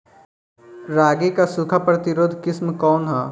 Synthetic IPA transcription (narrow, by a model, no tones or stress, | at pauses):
ɾaːɡekasʊkʰapɾɐt̪ɪɾoːd̪ʱkɪsmkɔːnɦaː